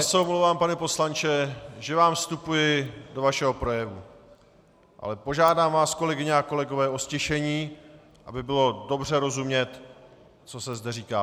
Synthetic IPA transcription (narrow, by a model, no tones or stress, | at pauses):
sɛomlovaːmpanɛpo̞slant͡ʃɛʒɛvaːmfst̪upujɪdo̞vaʃɛɦo̞pɾo̞jɛvu | ʔa̰lɛpo̞ʒaːdaːmvaːsko̞lɛɡɪɲɛako̞lɛɡo̞vɛːʔo̞scɪʃɛɲiː | ʔabɪbɪlo̞do̞br̝ɛɾo̞zumɲɛt̪ | t͡so̞sɛzdɛriːkaː